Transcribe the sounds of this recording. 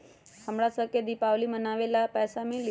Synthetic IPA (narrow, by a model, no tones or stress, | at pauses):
həmɽasəked̪ipaʋlimənaʋelapɛːsamil